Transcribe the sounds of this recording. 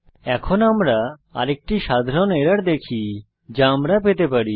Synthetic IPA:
ɛkʰonamɾaa̰ɾek̚ʈiʃad̪ʱɾoneɾaɾd̪ekʰi | d͡ʑaamɾapet̪epaɾi

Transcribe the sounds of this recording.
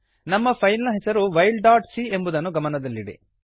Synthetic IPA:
nɐmːɐpʰɐjnɐlɐɦɛsɐɾuʋɐjɭɖaːʈsie̞mbud̪ɐnːuɡɐmɐnɐd̪ɐlːiɽḭ

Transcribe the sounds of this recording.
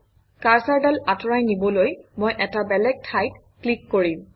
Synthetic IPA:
kaɹsaɹdalatɔɹajnibɔlojmojʔɛtabɛlɛɡ̚tʰajt | klikːoɹim

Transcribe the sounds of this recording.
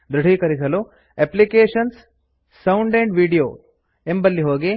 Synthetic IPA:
d̪ɾuɖ̤ʱiːkɐɾisɐlu | eplikeːʂɐnsː | ɐwuɳɖeɳɖʋiːɖijo̰ː | embɐlːiɦoːɡi

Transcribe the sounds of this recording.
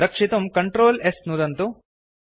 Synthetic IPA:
ɐkʂit̪ɐmkɐɳʈɾoːlesnud̪ɐnt̪u

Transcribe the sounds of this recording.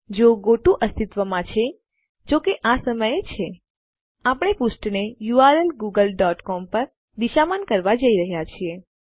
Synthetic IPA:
d͡ʒoɡoʈũʔəst̪it̪ʋəmãt͡ʃʰe | d͡ʒokeʔasəməjet͡ʃʰe | apəɳ̃epusʈnejuaɾəlɡuɡəlɖɔʈkɔmpəɾ | d̪iʃamankəɾʋad͡ʒəiɾəɦjat͡ʃʰie

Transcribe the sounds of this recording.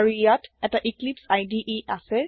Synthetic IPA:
ɹijatɛtaʔiklipsajdiʔiasɛ

